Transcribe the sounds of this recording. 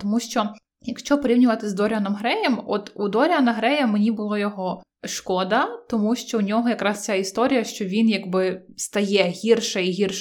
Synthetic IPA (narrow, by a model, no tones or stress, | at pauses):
t̪ɔmuʃt͡ʃɔ | jɐkʃt͡ʃɔpɔɾʲiwnʲʊʋɐt̪ɪzd̪ɔɾʲɐnɔmɦɾɛjɛmɔ̰t̪ud̪ɔɾʲɐnɐɦɾɛjɐmenʲibʊlˠɔjɔɦɔ | ʃkɔd̪ɐt̪ɔmuʃt͡ʃɔunʲɔɦɔjɐkɾɑst͡sʲaist̪ɔɾʲijɐʃt͡ʃɔʋʲinjɐɡbɪst̪ɐjɛɦʲirʃɐiɦʲirʃ